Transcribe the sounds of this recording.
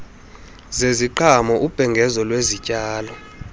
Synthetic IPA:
zeziǃʰamɔʔub̥ʱɛŋɡʱɛzɔlwezicʼaːlɔ

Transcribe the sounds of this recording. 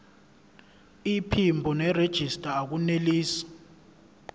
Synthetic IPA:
ipʰimbʱɔnɛred̥ʒ̥ʱistʼaːk̬uneliːsi̥

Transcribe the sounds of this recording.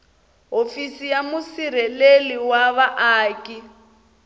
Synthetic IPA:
ɦofisijamusiɾɛleliwaβaʔaːkʼi

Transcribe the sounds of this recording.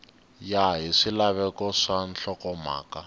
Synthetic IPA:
jaɦiʂilaβɛkɔʂan̩ɬɔkɔma̰ːka

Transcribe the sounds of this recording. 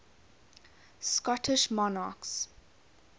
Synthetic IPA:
skɔtʰɪʃmɔna̰ks

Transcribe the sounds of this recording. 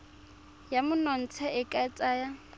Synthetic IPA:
jamʊnɔn̩t͡sʰɛɪkʼat͡sʼaːja

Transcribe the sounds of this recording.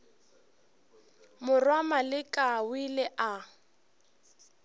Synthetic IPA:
mʊrwamalɪkʼawilɛʔa

